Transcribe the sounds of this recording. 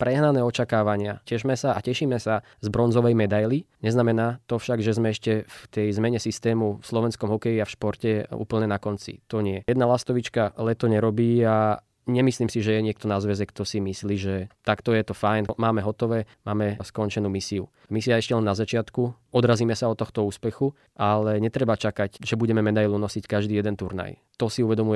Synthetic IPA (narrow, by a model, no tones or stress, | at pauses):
pɾɛɦnanɛːɔt͡ʃakaːʋaɲɪa̰cɛʒmɛsaʔa̰cɛʃiːmɛsa | zbɾɔnzɔʋɛjmɛd̪ajliɲɛznamɛnaːt̪ɔfʃaɡʒɛzmɛɛʃcɛft̪ɛjzmɛɲɛsist̪ɛːmufslɔʋɛnskɔmɦɔkɛjiafʃpɔɾcɛṵːpl̩ɲɛnakɔnt͡sḭt̪ɔɲɪɛjɛd̪nalast̪ɔʋit͡ʃkalɛt̪ɔɲɛɾɔbiːa | ɲɛmisliːmsiʒɛjɛɲɪɛk̚t̪ɔnazʋɛzɛkt̪ɔsimisliːʒɛt̪akt̪ɔjɛt̪ɔfajnmaːmɛɦɔt̪ɔʋɛːmaːmɛskɔnt͡ʃɛnuːmisiṵ | misiaɛʃcɛlɛnːazat͡ʃɪat̪ku | ɔd̪ɾaziːmɛsaɔt̪ːɔxt̪ɔuːspɛxu | ʔalɛɲɛt̪ɾɛbat͡ʃakacʒɛbuɟɛmɛmɛd̪ajlunɔsickaʒd̪iːjɛd̪ɛnt̪uɾna̰jt̪ɔsiuʋɛd̪ɔmuɛ